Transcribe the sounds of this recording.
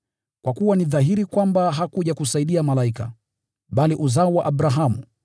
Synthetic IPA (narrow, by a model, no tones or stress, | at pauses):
kwʔakuwaniðaɦiɾikwambaɦakuʄakusaiɗiamalaika̰ | ɓaliʔuzaɔwaʔaɓɾaɦamṵ